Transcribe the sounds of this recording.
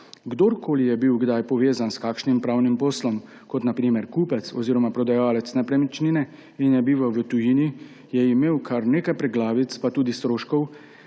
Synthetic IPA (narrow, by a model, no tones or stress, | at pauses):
ɡd̪oɾkʰoːlijɛbiwɡd̪ajpɔʋeːzanskaːkʃnimpɾaːwnimposlɔm | kɔt̪napɾiːmɛɾkuːpɛt̪sɔziːɾɔmapɾɔd̪ajaːlɛt̪snɛpɾɛmit͡ʃniːnɛ | injɛbiːʋawʋət̪ujiːni | jɛimeːwkʰaɾneːkajpɾɛɡlaːʋit̪spat̪uːd̪ist̪ɾoːʃkɔw